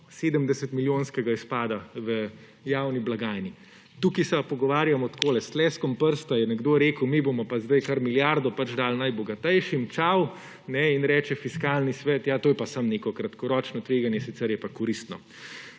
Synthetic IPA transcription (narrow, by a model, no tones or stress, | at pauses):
seːd̪əmd̪ɛsɛt̪miljoːnskɛɡaispaːd̪aʋə | jawniblaɡajni | t̪ukisɛpɔɡɔʋaːɾjamɔt̪koːlɛst̪lɛːskɔmpəɾst̪ajɛnɛɡd̪oːɾeːkəwmibomɔpazd̪ajkaɾmiljaɾd̪ɔpat͡ʃd̪aːlnajbɔɡat̪ɛjʃimt͡ʃaw | nɛinɾɛːt͡ʃɛfiskaːlnisʋɛːt̪jaːt̪oːjɛpasamnekɔkɾat̪kɔɾɔːt͡ʃnɔt̪ʋeːɡanjɛsit̪sɛɾjɛpakɔɾist̪nɔ